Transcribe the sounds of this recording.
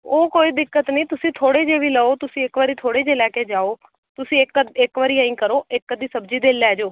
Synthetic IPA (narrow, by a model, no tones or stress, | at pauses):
oːkoːiːd̪ɪkːət̪nĩːt̪ʊsĩːt̪ʰoːɽeːd͡ʒeːʋiːləoːt̪ʊsĩːɪkʋaːɾiːt̪ʰoːɽeːd͡ʒeːlɛːkeːd͡ʒaːoː | t̪ʊsĩːɪkːəɪkʋaːɾiːãːĩːkəɾoːɪkːəd̪iːsəbd͡ʒiːd̪eːlːɛːd͡ʒoː